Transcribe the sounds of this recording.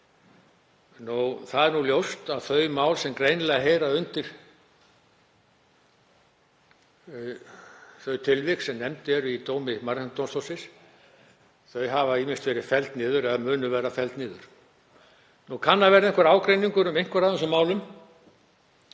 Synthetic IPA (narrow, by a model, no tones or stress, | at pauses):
nuwθaðɛɾnuljowst̪aðθœɥmaːwlsɛmkɾejnlɛɣaɦejɾaʏnt̪ɪɾ̥ | θœɥt̪ʰɪlvɪksɛmnɛmt̪ɪɛɾʏit̪oːwmɪmaɾhɛnt̪ɔnst̪ɔwsɪs | θœɥɦavaimɪnst̪vɛːɾɪ̥fɛlt̪nɪːðʏɾɛðamʏːnʏvɛːɾafɛlt̪nɪːðʏɾ̥ | nukʰanːaðvɛːɾaɪ̃nŋkvaɾaːwkɾejniŋkʏɾʏmejŋ̥kvaɾaðɛnsɔmaːwlʏm